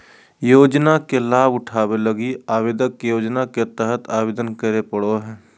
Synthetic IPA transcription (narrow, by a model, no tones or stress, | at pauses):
joːd͡ʒnakelaːbʊʈʰaːweləɡiaːwed̪əkjoːd͡ʒnaket̪əɦət̪ʰaːweːd̪ənkəɾepəɽoɦɛː